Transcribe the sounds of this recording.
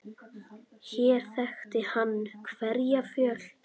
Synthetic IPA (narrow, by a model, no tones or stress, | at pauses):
çɛːɾ̥θɛxt̪ɪhanːkʰvɛɾjafjœːl̥